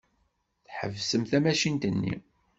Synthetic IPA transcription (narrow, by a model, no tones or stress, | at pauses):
θħə̰vsəmθæmæʃint̪ənːḭ